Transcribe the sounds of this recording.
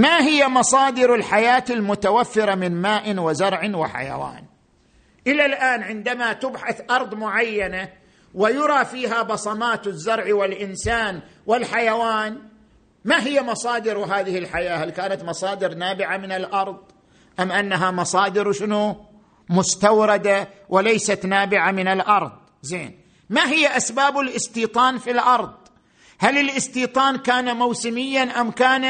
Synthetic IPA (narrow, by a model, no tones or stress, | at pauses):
maɦɪjːamɑsˤɑːd̪ɪɾɪlħajaːt̪ɪlmʊt̪awafːɪɾamɪnmaːʔnwɪzɑɾˤʕɪwɪħa̰ja̰wa̰ːn | ʔɪlalʔaːnʕɪnd̪amat̪ɪbħaθʔɑɾˤðˤmʊʕajːana | wɪjʊɾˤɑfiːɦabɑsˤɑmaːt̪ɪzːɑɾˤʕwɪlʔɪnsaːnwɪlħajawaːn | maɦɪjːamɑsˤɑːd̪ɪɾwɦaːðɪhɪlħajaːhalkaːnat̪mɑsˤɑːd̪ɪɾnaːbɪʕamɪnɪlʔɑɾˤðˤ | ʔamʔanːaɦamɑsˤɑːd̪ɪɾwʃɪnu | mʊst̪awɾɑd̪a | wɪlajsat̪naːbɪʕamɪnɪlʔɑɾˤðˤ | zeːn | maɦɪjːaʔasbaːbɪlʔɪst̪iːt̪ˤɑːnfilʔɑɾˤðˤ | halɪlʔɪst̪iːt̪ˤɑːnkaːnamawsɪmɪjːanʔamkaːna